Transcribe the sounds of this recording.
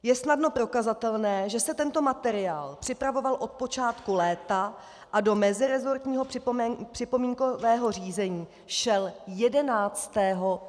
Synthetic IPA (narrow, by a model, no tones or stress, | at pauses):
jɛsnadno̞pɾo̞kazat̪ɛlnɛːʒɛsɛt̪ɛnt̪o̞mat̪ɛɾɪaːlpr̝̥ɪpɾavo̞valʔo̞t̪̚po̞t͡ʃaːt̪kulɛːt̪a | ʔado̞mɛzɪɾɛzo̞ɾt̪ɲiːɦo̞prɪpr̝̥ɪpo̞miːŋkovɛːɦo̞r̝iːzɛɲiː | ʃɛljɛdɛnaːt͡st̪ɛːɦo̞